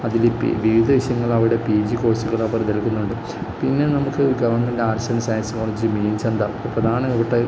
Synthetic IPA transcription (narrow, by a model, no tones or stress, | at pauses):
ɐðilpʋiʋid̪ʱɐʋiɕjɐŋːɐɭɐʋiɽe̞piːd͡ʑiko̞ːsiɣɐɭaːpɐrɐt̪elɐkːunːuɳɖɨ | pinːe̞nɐmukːɨɡɐʋɐrɳmendeaːrɐsɐnɐsaːjɐnsɐkoːlɐɲit͡ɕːɨmiːnt͡ɕɐnd̪a̰prɐd̪ʱaːnɐiʋiʈːɐ